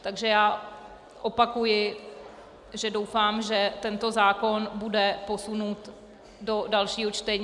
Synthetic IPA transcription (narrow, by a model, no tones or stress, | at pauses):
t̪aɡʒɛjaː | ʔo̞pakujɪ | ʒɛdowfaːmʒɛt̪ɛnt̪o̞zaːko̞nbudɛpo̞sunuːt̪ | do̞dalʃiːɦot͡ʃt̪ɛɲ